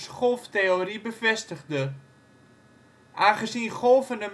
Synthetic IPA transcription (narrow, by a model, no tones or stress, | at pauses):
sχɔlˠfteoribəvɛstəχdə | ʔaːnχəzinχɔlˠfənəm